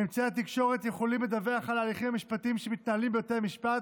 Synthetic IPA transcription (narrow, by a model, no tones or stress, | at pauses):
imt͡seatikʃo̞ʁet̪je̞χo̞limle̞d̪aveaχalaːliχimhamiʃpatiimʃemit̪̚naalimbejoteʁmiʃpat